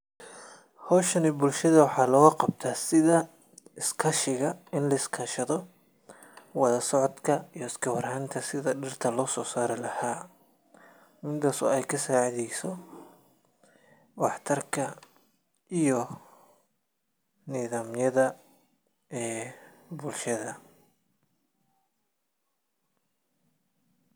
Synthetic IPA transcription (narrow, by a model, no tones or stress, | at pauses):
hɔːʃɐnɪbʊlʃɐðɐwɑħɑːlɔːɣɐqɑb̚t̪ʰaːsɪðɐ | ɪskʰɐʃɪɣɐɪnlɐɪskʰɐʃɐðɔ | wɐðɐsɔʕɔd̪kʰɐijɔɪskʰɐwɐrhɐnt̪ʰɐsɪðɐɖɪrt̪ʰɐlɔːsɔːsaːɾɪlɐhaː | mɪnt̪ɐsɔ̰ɛjkʰɐsaːʕɪðɛjsɔ | wɑħt̪ʰɐrkʰɐ | ʔijɔ | nɪːðaːmjɐðɐ | ɛːbʊlʃɐðɐ